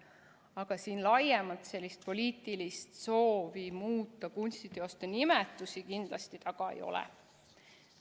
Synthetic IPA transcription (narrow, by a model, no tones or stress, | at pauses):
ɑɡ̥ɑsiːnlɑjemɑlt̪se̞lʲːist̪̚po̞lʲiːt̪ˑilist̪so̞ːvimuːt̪ːˑɑkunʲst̪id̪̥eost̪ɑnimɛt̪ːˑusikind̪̥lɑst̪it̪ɑɡ̥ɑḛjo̞̰lɛ̰